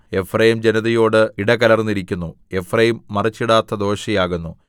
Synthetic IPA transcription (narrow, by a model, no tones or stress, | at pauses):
e̞frɐjimd͡ʑenɐðɐjo̞ːɽɨiɽɐɣɐlɐrnːiɾikʲːunːu | e̞frɐjimːɐrɐt͡ɕːiɽaːt̪ːɐd̪o̞ːɕijaːɣunːu